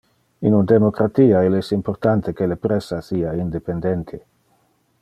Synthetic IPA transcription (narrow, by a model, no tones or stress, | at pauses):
ḭnund̪emokɾat̪iːaelɛsimport̪ant̪ekelepɾesasiaind̪epend̪ent̪ʰe